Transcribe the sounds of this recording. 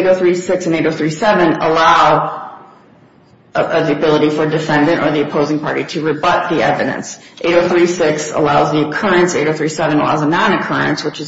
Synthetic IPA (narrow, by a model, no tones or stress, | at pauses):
eɪɾoʊθɹisɪksɨ̃neɪɾoʊθɹisɛvɨ̃nə̰laʊ | ðiɨbɪlˠəɾifə˞dɨfɛ̃ndɨ̃ñtə̰˞ðiɨpʰoʊzɪ̃ŋpʰɑɹɾiɾɨɹɨbʌt̪̚ðiɛvɨɾɨ̰̃nsʔeɪɾoʊθɹisɪksə̰laʊzðiɨkʰɜ˞ɨ̃nseɪɾoʊθɹisɛvɨ̃nəla̰ʊzənɑ̃nɨkʰɜ˞ɨ̰̃nswət͡ʃɨz